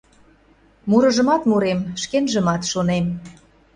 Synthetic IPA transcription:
muɾə̆ʒə̆mɑt̪muɾemʃkenʒə̆mɑt̪ʃonem

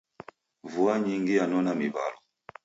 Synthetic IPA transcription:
vuaɲiŋɡijanɔnamiβa̰lɔ

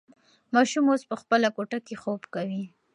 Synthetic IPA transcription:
mɑʃumospəxpəlakoʈakexobkawi

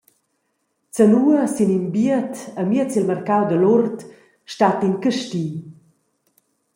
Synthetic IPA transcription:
t͡sənuəsinimbiət̪əmiət͡silmərkawd̪əlurt̪ | ʃtat̪inkəʃtiː

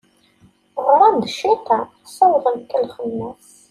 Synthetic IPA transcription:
ʁəɾɾˤɑnd̪ʃit̪ɑ | sæwðˤəmkːəlχəmːæs

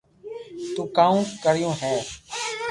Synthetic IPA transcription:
t̪uːkaːũːkəɽ̤ɪjõːɦɛː

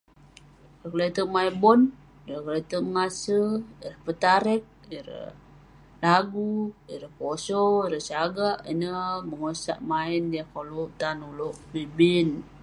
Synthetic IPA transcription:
iɾəkəlet̪əʔmaibɔn | iɾəklet̪əməŋasəiɾəhpət̪aɾɛk̚iɾə̰h | laɡuiɾəhkosoiɾəhsaɡaʔinəməŋosa̰ʔmaindiakolut̪anuloʔbibin

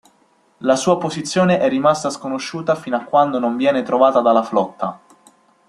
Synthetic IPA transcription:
lasuːapozit̪sːjoːneʔɛrːimast̪askonoʃːuːt̪afiːnakːwand̪onoɱvjɛːnet̪ɾovaːt̪ad̪alːaflɔt̪ːa

